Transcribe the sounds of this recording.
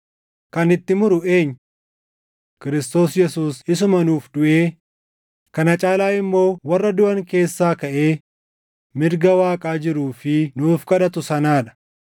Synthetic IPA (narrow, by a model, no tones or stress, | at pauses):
kɐnɪt̪ːɪmʊɾʊʔeːɲː | kɪɾɪst̪o̞ːsjɛsuːsɪsʊmɐnuːfd̪ʊʔe̞ː | kɐnɐt͡ʃʼaːlaːɪmːo̞ːwɐrːɐd̪ʊʔɐŋke̞ːsːaːkɐʔe̞ː | mɪɾɡɐwaːkʼaːd͡ʒɪɾuːfɪnuːfkɐᶑɐt̪ʊsɐnaːᶑɐ̥